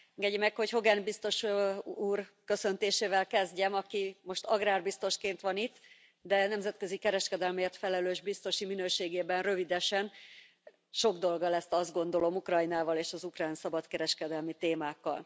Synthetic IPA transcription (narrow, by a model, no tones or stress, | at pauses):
ɛŋɡɛɟːɛmɛkho̞cho̞ɡɛnbist̪o̞ʃuːrkø̞sø̞nt̪eːʃeːvɛlkɛzɟɛmɒkimo̞ʃt̪ɒɡraːrbist̪o̞ʃkeːnt̪ʋɒnit̪ː | d̪ɛnɛmzɛt̪kø̞zikɛɾɛʃkɛd̪ɛlmeːrt̪fɛlɛløːʒbist̪o̞ʃiminøːʃeːɡeːbɛnrø̞vid̪ɛʃɛn | ʃo̞ɡd̪o̞lɡɒlɛst̪ɒzd̪ɡo̞nd̪o̞lo̞mukrɒjnaːvɒleːʃɒzukraːnsɒbɒt̪kɛɾɛʃkɛd̪ɛlmit̪eːmaːkːɒ̰l